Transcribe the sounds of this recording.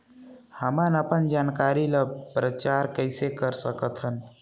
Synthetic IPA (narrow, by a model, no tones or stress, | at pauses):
həmanəpənd͡ʒankaɾiləpɾət͡ʃaɾkəɪsekəɾsəkət̪ʰən